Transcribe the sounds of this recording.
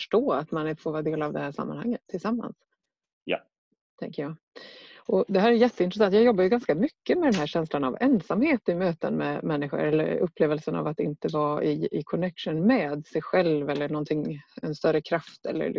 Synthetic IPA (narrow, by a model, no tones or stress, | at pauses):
ʂʈoːat̪manfoːvɑːɾd̪eːlavd̪ɛhæːʂa̰mːa̰nha̰ŋːət̪ʰːɪlsamːa̰ns | j̰ | t̪ʰɛ̰ŋkəjɑː | ʔɔd̪ɛɦæːɾæjɛt̪ːəɪnɾɛsant̪jɑːɡjɔbːajɵɡanskamʏkːəmɛd̪ɛnɦæːɕɛnslana̰vɛnsamheːt̪ɪmøːt̪ə̰nmɛmɛnːɪɧʊ̰ɾɛlːə̰ɾɵpʰːleːvəlsəna̰vat̪ɪnt̪əvɑːɪɪkʰɔnɛkʂʊnmɛːd̪sɛjɧɛlvɛlːəɳɔnt̪ʰɪŋːɛnst̪œɾəkʰɾaft̪ʰɛ̰lːə̰ɾ